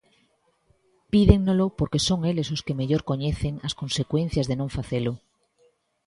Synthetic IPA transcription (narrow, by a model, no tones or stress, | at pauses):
piðe̞ŋnolo̞poɾke̞so̞ŋe̞le̞soske̞meʎo̞ɾko̞ɲe̞θe̞ŋasko̞nse̞kwẽ̞n̟θjazðe̞noɱfaθelo